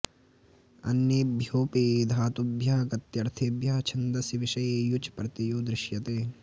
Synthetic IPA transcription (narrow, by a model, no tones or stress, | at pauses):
ɐ̰njebʱjoːpiːd̪ʱaːt̪ubʱjaːɡɐt̪jɐɾt̪ʰibʱjaːt͡ʃʰɐnd̪ɐsiʋɪʃɐjejut͡ʃpɾɐt̪ijuːd̪ɾɪʃjɐt̪eː